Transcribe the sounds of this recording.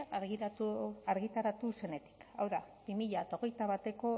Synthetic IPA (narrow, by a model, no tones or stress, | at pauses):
aɾɣit̪aɾat̪use̞ne̞t̪i̥ka̰wðab̥imiʎat̪aoɣ̞e̞jt̪aβ̞at̪e̞ko̞